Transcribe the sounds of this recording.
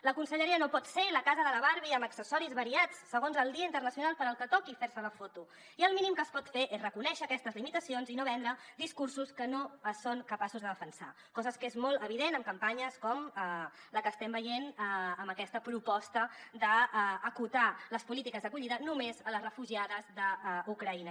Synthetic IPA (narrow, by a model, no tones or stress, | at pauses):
ləkunsəʎəɾiənopɔt̪seləkazəðələβaɾβiəməksəsɔɾizβəɾiat͡sːəɣ̞onzəlˠd̪iəint̪ərnəsiunalˠpəɾəlˠkət̪ɔkifeɾsələfot̪u | iəlˠminimkəːspɔt̪feʔezrəkunɛʃəːkɛst̪əzlimit̪əsionzinoβɛnd̪ɾəd̪iskursuskənoəsːoŋkəpasuzðəðəfənsa̰ | kɔzəskezmolˠt̪əβ̞iðenəmkəmpaɲəskɔmə | ləkəːst̪ɛmbəjenəəmbəkɛst̪əpɾupɔst̪əd̪əːkut̪aləspulit̪ikəzðəkuʎiðənumezələzrəfuʒiaðəzðəukɾəinə